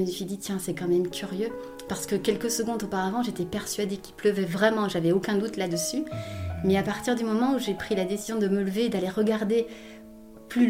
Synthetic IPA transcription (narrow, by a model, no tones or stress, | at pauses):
ynfid̪it̪ʰjɛ̃sɛkɑ̃mɛmkʲʰyʁjø | paʁsə̥kəkʲɛlkəsəɡɔ̃d̪opaʁavɑ̃ʒet̪ɛpɛʁsɥad̪ekʲilpləvɛvʁɛmɑ̃ʒavɛokʲɛ̃d̪ut̪lad̪əsymɛapaʁt̪iʁd̪ymɔmɑ̃uʒepχilad̪esizjɔ̃d̪əmələved̪aleʁəɡaʁd̪e | ply